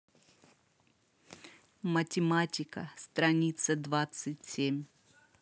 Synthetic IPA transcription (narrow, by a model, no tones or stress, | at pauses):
mətʲɪmatʲɪkəst̪ɾɐnʲit̪səd̪vat̪sɨtʲsʲemʲ